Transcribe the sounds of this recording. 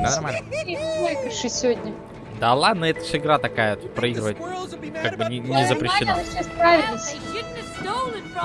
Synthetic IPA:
d̪anɐrmalʲnəɪnəkɾɨʂɨsʲɪvodʲnʲə | d̪alˠad̪nəɛt̪ə̥ʂɨɪɡɾat̪ɐkajət̪pɾɐiɡɾɨvət̪̚ʲkaɡ̚bɨnʲɪnʲɪzəpɾʲɪɕːɪnʲespɾavʲɪlʲnəsʲtʲɪ

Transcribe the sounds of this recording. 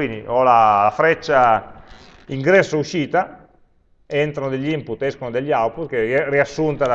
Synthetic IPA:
iniʔɔlalafɾɛt͡ʃːa | iŋɡɾɛsːouʃiːt̪a | ɛnt̪ɾanod̪eʎːimput̪ːɛskonod̪eʎːawput̪keriasːunt̪ad̪

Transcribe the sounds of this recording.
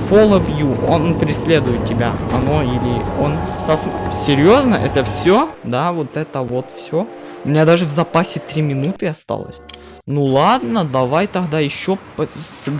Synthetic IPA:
folˠəvjuonpɾʲɪsʲlʲe̞d̪ʊjɪt̪̚ʲtʲɪbʲaɐno̞ilʲɪonsɐssʲɪɾʲjo̞znəʔɛ̰t̪əfsʲod̪avot̪ɛt̪əvo̞t̪fsʲoʊmʲɪnʲad̪aʐɨvzɐpasʲɪt̪ɾʲimʲɪnut̪ɨɐst̪a̰lˠə̰sʲ | nulˠad̪nəd̪ɐvajt̪ɐɣd̪ajɪɕːo | s

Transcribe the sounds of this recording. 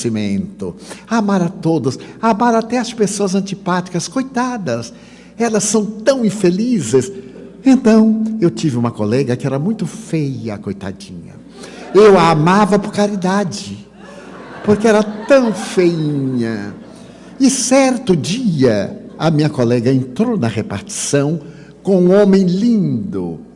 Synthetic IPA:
simẽnt̪ʊamaɾɐt̪od̪ʊsamaɾat̪ɛɐspesoɐzɐ̃nt͡ʃipat͡ʃi̥kɐskojt̪ad̪ɐs | ɛlɐsːɐ̃w̃t̪ɐ̃w̃ĩfelizɪsẽnt̪ɐ̃w̃ewt͡ʃivɪũmɐkolɛɡɐkɪɛɾɐmũj̃t̪ʊfejɐkojt̪a̰d͡ʒḭ̃ɲɐ̰ | ewaamavɐpoɾkaɾid̪ad͡ʒɪ | poɾkɪɛɾɐt̪ɐ̃w̃fejĩɲɐ | ɪsɛɾt̪ʊd͡ʒiɐɐmĩɲɐkolɛɡɐẽnt̪ɾownɐhepaɾt͡ʃi̥sɐ̃w̃ | kõũõmẽj̃lĩnd̪ʊ

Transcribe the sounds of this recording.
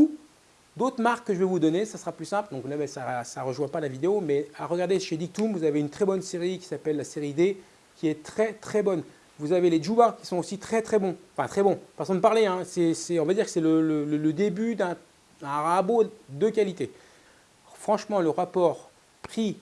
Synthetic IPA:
u | d̪ot̪χəmaʁkːəʒəvɛvud̪ɔnesasəʁaplysɛ̃pld̪ɔ̃klabɛsasaʁəʒwɛ̃palavid̪eomɛaʁəɡaʁd̪eʃed̪ik̚t̪umvuzaveynt̪χɛbɔnseʁikʲi̥sapɛlːaseʁid̪e | kʲiɛt̪χɛt̪χɛbɔn | vuzaveleʒubakʲi̥sɔ̃osit̪χɛt̪χɛbɔ̃ɑ̃fɛ̃t̪χɛbɔ̃pasɑ̃d̪əpaʁleɛ̃sɛsɛɔ̃vad̪iʁkə̥sɛlələlələd̪ebyd̪ɛ̃ | d̪ɛ̃ʁabod̪əkalit̪e | fχɑ̃ʃmɑ̃ləʁapɔʁ | pχi

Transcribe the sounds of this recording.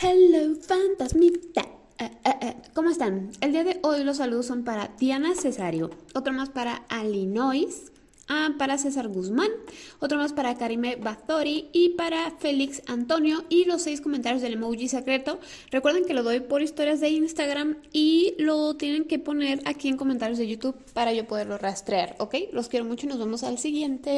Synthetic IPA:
halofant̪azmit̪a | ko̞moest̪aneld̪iaðe̞ʔo̞jlo̞s̬ːaluð̞o̞sːo̞mpaɾad̪janase̞saɾjo̰o̞t̪ɾomaspaɾaalino̞js | apaɾas̬e̞s̬aɾɣuzmãno̞t̪ɾo̞maspaɾakaɾime̞βaθo̞ɾiːpaɾafe̞liksant̪o̞njo̞ilo̞sːe̞jsko̞ment̪aɾjo̞zðelemowʝise̞kɾe̞t̪o̞ | rekwe̞ɾðeŋke̞lo̞ðo̞jpo̞ɾist̪o̞ɾjazðe̞inst̪aɣɾamilo̞t̪je̞nẽ̞ŋke̞po̞ne̞ɾakie̞ŋko̞mẽnt̪aɾjo̞zðe̞ʝut̪uβpaɾaʝo̞po̞ðe̞ɾlo̞rast̪ɾeaɾo̞ke̞jlo̞skje̞ɾo̞mut͡ʃoinozβamo̞salsiɣje̞nt̪e

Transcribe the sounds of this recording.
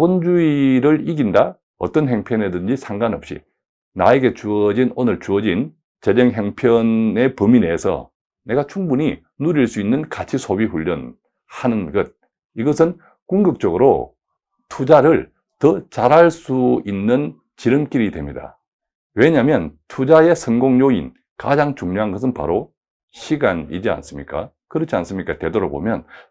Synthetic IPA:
bond͡ʑuiɾɯɾiɡinda | ʌ̰t͈ʌnɦe̞ŋpʰjʌne̞dɯnd͡ʑisʰaŋɡanʌp̚ɕ͈ḭ | na̰eɡe̞t͡ɕuʌd͡ʑinonɯɭt͡ɕuʌd͡ʑin | t͡ɕe̞bʌŋɦeŋpʰjʌne̞pɯminesʰʌ̰ | ne̞ɡat͡ɕʰuŋbuɲi | nuɾiɭs͈uinːɯnkat͡ɕʰisʰobiɸuʎːʌ̰n | hanɯnɡʌd̚ | iɡʌsʰɯn | kuŋɡɯk̚t͡ɕ͈ʌɡɯɾo | tʰud͡ʑaɾɯɭ | tʌt͡ɕaɾɦaɭs͈uinːɯn | t͡ɕiɾɯmk͈iɾidwe̞mɲida̰ | we̞ɲamjʌntʰud͡ʑae̞sʰʌŋɡoŋɲoin | ka̰d͡ʑaŋt͡ɕuŋɲoɦanɡʌs̬ʰɯnpa̰ɾo | ɕʰiɡanḭd͡ʑia̰ns͈ɯmɲik͈a̰ | kɯɾʌt͡ɕʰians͈ɯmɲik͈ate̞doɾʌbo̰mjʌ̰n

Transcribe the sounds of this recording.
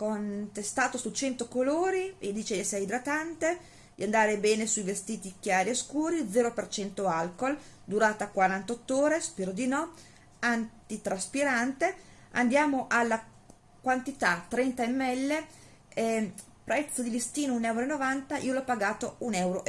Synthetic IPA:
kont̪est̪aːt̪osut͡ʃɛnt̪okoloːɾied̪iːt͡ʃesɛjd̪ɾat̪ant̪e | d̪iand̪aːɾebɛːnesuivest̪iːt̪ikjaːɾieskuːɾid̪zɛːɾopert͡ʃɛnt̪oalkold̪uɾaːt̪akwaɾant̪ɔt̪ːoːɾespɛːɾod̪inɔ | ant̪it̪ɾaspiɾant̪e | a̰nd̪jaːmoʔalːa | kwant̪it̪at̪ːɾɛnt̪aemːɛlːe | ɛ | pɾɛt̪sːod̪ilist̪iːnounɛwɾoenːovant̪aʔiːolɔpːaɡaːt̪ounɛwɾoʔ

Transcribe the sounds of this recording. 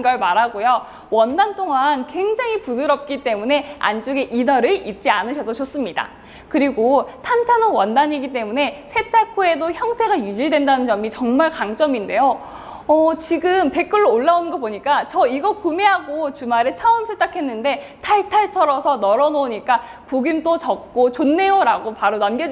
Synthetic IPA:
ɡʌɭmaɾɦaɡojo | wʌndantʰoŋankwe̞ŋd͡ʑaŋɦipudɯɾʌp̚k͈it͈e̞mune̞a̰nt͡ɕ͈oɡe̞ʔidʌɾɯɭit̚t͡ɕ͈ianɯɕʰʌsʰʌt͡ɕos͈ɯmɲida̰ | kɯɾiɡotʰantʰanowʌndaɲiɡit̬͈e̞mune̞sʰe̞t͈ʰakʰue̞doçjʌŋtʰe̞ɡajud͡ʑiɭdwe̞ndanɯnt͡ɕʌmit͡ɕʌŋmaɭkaŋt͡ɕ͈ʌminde̞jo | ʌt͡ɕiɡɯmte̞k͈ɯɭːoːɭːaonɯŋɡʌp̬oɲik͈at͡ɕʌiɡʌkumeɦaɡot͡ɕumaɾɯɭt͡ɕʰʌɯmsʰet͈akʰe̞nːɯnde̞tʰaɭtʰaɭtʰʌɾʌsʰʌnʌɾʌnoɲik͈a | koɡimt͈ot͡ɕʌk̚k͈ot͡ɕonːe̞joɾaɡopaɾonamɡjʌd͡ʑ

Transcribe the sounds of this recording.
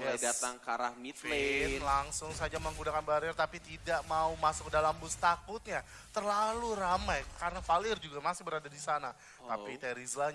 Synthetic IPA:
adat̪aŋkaɾa̰hmit̪lelaŋsʊŋs̬ad͡ʒaməŋɡunakanbaɾɪrt̪apit̪idaʔmaumasʊk̚dalambʊst̪akʊt̪̚ɲa | t̪ərlaluramajkaɾənafalɪrd͡ʒuɡamasɪhbəɾadadisana | apit̪ɛɾizla

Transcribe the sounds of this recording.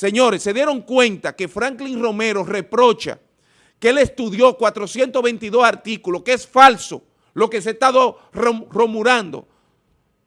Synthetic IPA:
se̞ɲo̞ɾe̞sːe̞ðje̞ɾo̞ŋkwẽ̞nt̪ake̞fɾaŋkliŋro̞me̞ɾo̞re̞pɾo̞t͡ʃa̰ | keele̞st̪uðjo̞kwat̪ɾo̞sje̞nt̪oβe̞nt̪iðo̞saɾt̪ikulokesfalso̞ | lo̞kes̬est̪aðo | roromuɾand̪o̞̰

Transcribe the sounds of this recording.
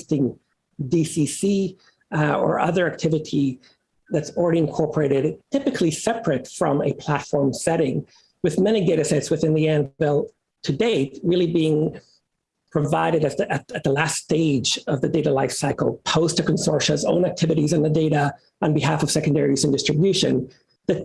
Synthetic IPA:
stɪ̃ŋ | disisi | ə̰˞ʔʌ̰ðə˞æk̚tʰɪvɨɾi | ðɨtsl̩ˠɹɛɾiɨ̃nkʰɔɹpʰə˞eɪɾɨdtʰɪpɨkʰlisɛpʰɹɨtfɹʌ̃mɨpʰl̥ætfɔɹmsɛɾɪ̃ŋ | wɨðmɛñiɡeɪɾɨsɛtswɨθɪ̃nðiɛ̃nvɛlˠ | tʰɨdeɪtɹɪlˠibiɪ̃ŋ | pʰɹ̥ɨvaɪɾɨɾɨzɨtɨt̪̚ðəlæsteɪd͡ʒʌvðɨdeɪɾəlaɪfsaɪkl̩ˠpʰoʊstʰɨkɨ̃n̩sɔɹʃɨzõ̰ʊ̃næk̚tʰɪvɨɾizn̩ðɨdeɪɾə | ə̃nbɨɦæfʌv̥sɛkɨ̃n̩dɛɹizɨ̃n̩dɪstɹ̥ɨbjʉʃɨ̰̃n | ðɨ

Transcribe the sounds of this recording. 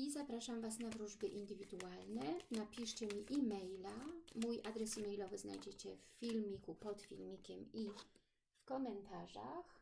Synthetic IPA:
izapɾaʂamvasnavɾuʐbɘʔind̪ɘvʲid̪ualnɛnapʲiʂt͡ɕɛmʲiʔimɛjlamujʔad̪ɾɛsimɛjlɔvɘzna̰jd͡ʑet͡ɕɛffʲilmʲikupɔt̪fʲḭlmʲikʲɛmi | fkɔmɛnt̪aʐa̰x

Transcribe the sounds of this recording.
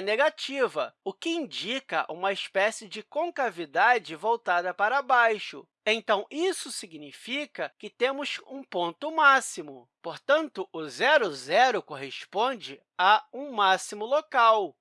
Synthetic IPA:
neɡat͡ʃivɐʊkɪĩnd͡ʒikɐʔṵ̃mɐɪspɛsɪd͡ʒɪkõkavid̪ad͡ʒɪvowt̪ad̪ɐpaɾɐbajʃʊ | ẽñt̪ɐ̃w̃isʊsiɡnifikɐkɪt̪ẽmʊsũpõnt̪ʊmasimʊ | poɾt̪ɐ̃nt̪ʊʊzɛɾʊzɛɾʊkoɦespõnd͡ʒɪ | aũmasimʊlokaw

